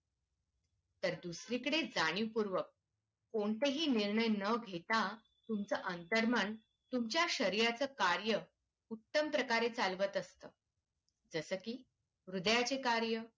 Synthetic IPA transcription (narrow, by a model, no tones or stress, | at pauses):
t̪əɾd̪usɾikəɽed͡zaɽ̃iʋpuɾʋək̚ː | oɳt̪eɦiːniɾɳəjnəɡʱet̪a | t̪umt͡səʔənt̪əɾməɳ | t̪umt͡ɕjaɕəɾijat͡səːkaɾjə | ut̪ːəmpɾəkaɾet͡salʋət̪əst̪əː | d͡zəsəːkiː | ʋɾud̪jat͡sekaɾjə